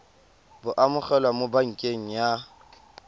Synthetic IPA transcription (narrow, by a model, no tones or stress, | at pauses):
bʊʔamʊχɛlwamobaŋ̩kʼeŋ̩ja